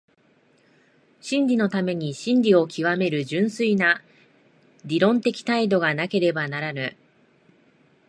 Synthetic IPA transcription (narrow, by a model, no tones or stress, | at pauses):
ɕĩɲɾʲino̞t̪ame̞ɲ̟iɕĩɲdʲio̞kʲʰiβame̞ɾɯ̟ʑɨ̃ɰ̃sɨina | ɾʲiɾõ̞nt̪e̞kʲi̥t̪aid̪o̞ɡanake̞ɾe̞banaɾanɯ